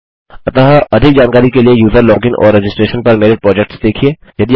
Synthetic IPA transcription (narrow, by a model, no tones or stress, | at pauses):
ɐt̪aɦaʔɐd̪ʱɪk̚d͡ʒaːnkaːɾikeliejuːzəɾlɔːɡɪ̃nʔɔ̰ːɾːɛd͡ʒɪsʈɾeːʃənpɐɾmeːɾepɾɔːd͡ʒɛk̚ʈsd̪eːkʰieːjɐd̪i